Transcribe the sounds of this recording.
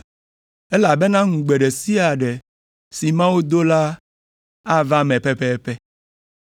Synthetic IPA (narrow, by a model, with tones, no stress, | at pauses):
ɛ˦la˨bɛ˦nã˦ŋũ˨ɡ͡bɛ˨ɖɛ˨si˦a˨ɖɛ˨ | si˨mã˦wo˦d̪o˦la˦ | a˦va˦mɛ̃˨pɛ˦pɛ˦pɛ˦